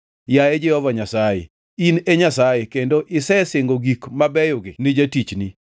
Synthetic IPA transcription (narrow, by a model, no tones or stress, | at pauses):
jajɛd͡ʒɛhɔvaɲasajḛ | ineɲasajekendoʔɪsɛsɪŋɡoɡikmabɛjoɡɪnɪd͡ʒatit͡ʃni